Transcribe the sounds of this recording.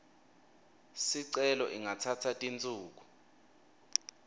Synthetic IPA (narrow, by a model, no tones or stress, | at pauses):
siǀɛlɔ̰ʔiŋatʰatʰatʼint͡sʼuːk̬u